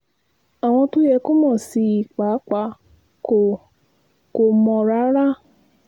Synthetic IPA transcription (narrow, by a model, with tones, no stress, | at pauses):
a˨w̃ɔ̃˧tu˦jɛ˧ko˦mɔ̃˦˨si˧i˨k͡pa˨˦k͡pa˧˦ | o˨ | ko˨mɔ̃˧ɾa˦ɾa˦